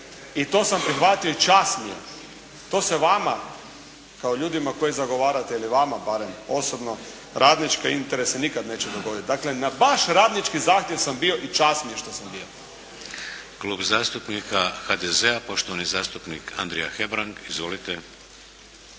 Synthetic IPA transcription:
it̪o̞ːsampɾixʋat̪io̞it͡ʃasnijḛ | t̪o̞ːse̞ʋama | kaoʎuːd̪imako̞jizaɡo̞ʋaːɾat̪e̞iliʋamabaɾemo̞sobno̞ | ɾʔaːd̪nit͡ʃkaint̪eɾe̞senikad̪ne̞ːt͡ʃed̪oɡo̞d̪it̪̚d̪akle̞nabaʃɾaːd̪nit͡ʃkizaːxt̪je̞ʋsambio̞ʔit͡ʃasnijeʃt̪o̞sambio | kluːbzaːst̪upnikaxad̪ezeapo̞ʃt̪oʋanizaːst̪upnikʰa̰nd̪ɾɛjaxebɾaŋɡizʋo̞lit̪e

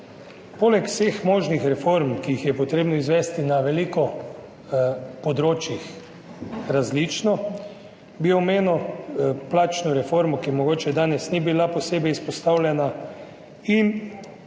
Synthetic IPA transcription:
poːlɛkw̥sexmoːʒnixɾɛfoɾmkijixjɛpɔt̪ɾeːbnɔizʋɛːst̪inaʋɛliːkɔ | pod̪ɾoːt͡ʃjix | ɾazlit͡ʃnɔ | biɔmeːnɔplaːt͡ʃnuɾɛfoːɾmukimɔɡoːt͡ʃɛd̪aːnɛsnibilaposeːbɛjspɔst̪aːwlʲjɛna | in

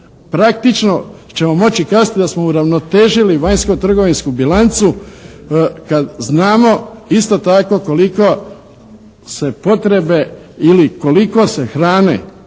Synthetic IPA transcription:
pɾak̚t̪it͡ʃno̞t͡ʃe̞mo̞mo̞t͡ɕikaːzat̪id̪asmo̞uɾaʋno̞t̪e̞ːʒiliʋaɲskot̪r̩ɡo̞ʋinskubilant̪su | kad̪znaːmo̞ist̪o̞t̪ako̞ko̞liko | se̞po̞t̪ɾe̞be̞ | iliko̞liko̞se̞xɾaːnḛ

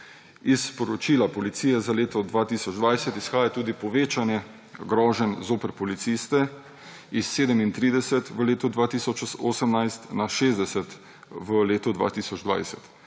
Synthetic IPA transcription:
ispɔɾɔt͡ʃiːlapɔlit̪sijɛzaleːt̪ɔd̪ʋaːt̪isɔd͡ʒd̪ʋajsɛt̪isxaːjat̪uːd̪ipɔʋeːt͡ʃanjɛ | ɡɾɔːʒənzoːpəɾpɔlit̪sist̪ɛ | isːeːd̪əmint̪ɾiːd̪ɛsɛt̪ʋəleːt̪ud̪ʋaːt̪isɔt͡ʃoːsəmnajst̪naʃeːzd̪ɛsɛt̪ | ʋəleːt̪ud̪ʋa̰ːt̪isɔd͡ʒd̪ʋa̰jsɛt̪

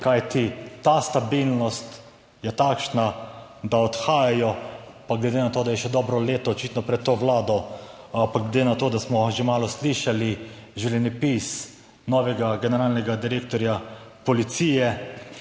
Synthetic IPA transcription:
kajt̪it̪aːst̪abilnɔst̪ | jɛt̪aːkʃnad̪aɔt̪xaːjajɔ | paɡlɛd̪enat̪oːd̪ajɛʃɛd̪ɔːbɾɔleːt̪ɔːt͡ʃit̪nɔpɾɛt̪ːoʋlaːd̪ɔ | paɡled̪enat̪oːd̪asmɔʒemaːlɔsliʃaliʒɛwlʲɛnipis | nɔʋɛɡaɡɛnɛɾaːlnɛɡad̪iɾeːk̚t̪ɔɾjapɔlit̪siːjɛ

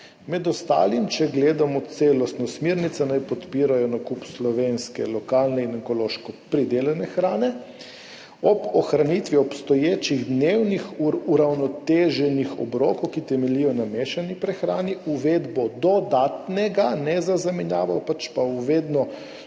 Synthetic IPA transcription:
mɛd̪ɔst̪a̰ːlimt͡ʃɛɡleːd̪amɔt̪seːlɔst̪nɔsmeːɾnit̪sɛnajpɔt̪piːɾajɔnakupslɔʋenskɛ̰lɔkaːlnɛinɛŋkɔloːʃkɔpɾid̪elɛnɛxɾaːnɛ | ɔbɔxɾanit̪ʋiɔpst̪ɔjeːt͡ʃiɣd̪newnixuɾawnɔt̪eːʒɛnixɔ̰bɾoːkowkit̪ɛmɛlijɔnameːʃanipɾɛxɾa̰ːniʔuʋeːd̪bɔd̪ɔd̪aːt̪nɛɡanɛzazamɛnjaːʋawpat͡ʃpauʋed̪nɔ

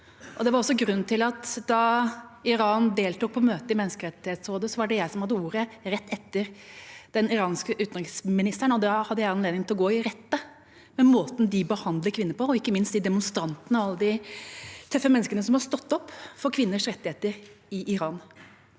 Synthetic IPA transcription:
ʔɔd̪ɛʋɑɾɔsːɔɡɾʉnːt̪ɪlɑt̪d̪ɑɪɾɑːnd̪eːlt̪uːk̚pʰɔmøːt̪əɪmɛnːəskəɾɛt̪ːɪheːt̪soːd̪əsɔʋɑɖɛjæɪsɔmhɑd̪ːəuːɾəɾɛt̪ːɛt̪ːəɾd̪̥ɛnɪɾɑːnskəʔʉːt̪nɾɪŋsmɪnɪst̪əɳɔd̪ɛhɑd̪ːəjæɪɑnleːd̪ɪŋt̪ɪlɔɡoːɪɾɛt̪ːə | mɛmoːt̪n̩d̪ɪbəhɑnd̪ləkʰʋɪnːəɾpɔɔɪkːəmɪnst̪d̪ɪd̪ɛmʊnst̪ɾɑnt̪ənəɔɑlːəd̪ɪ | t̪ʰœfːəmɛnːəskənəsɔmhɑst̪ɔt̪ːɔpːfɔɾkʰʋɪnːəʂɾɛt̪ːɪheːt̪əɾɪʔɪɾɑːn

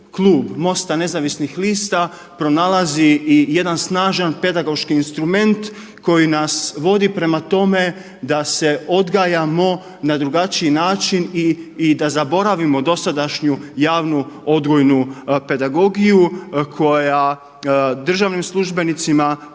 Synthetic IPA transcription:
klˠuːbmo̞st̪ane̞zaʋisnixliːst̪a | pɾo̞nalˠaziije̞d̪ansnaːʒanpe̞d̪aɡo̞ʃkiːnst̪ɾume̞nt̪ | ko̞jinasʋo̞d̪ipɾe̞mat̪o̞me̞ | d̪ase̞o̞d̪ɡajamo̞ | nad̪ɾuɡat͡ʃiinaːt͡ʃiniːd̪azabo̞ɾaʋimo̞d̪o̞sad̪aʃɲujaːʋnuo̞d̪ɡojnupe̞d̪aɡo̞ɡijukʰo̞ja | d̪r̩ʒaʋnimslˠuʒbe̞nit̪sima

